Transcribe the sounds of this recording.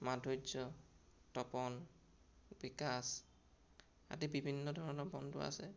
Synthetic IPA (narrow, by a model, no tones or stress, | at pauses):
madʱod͡ʒɔ | tɔpɔn | bikas | a̰tibibʱinːɔdʱɔɹɔnɔɹbɔntʊ̰a̰sɛ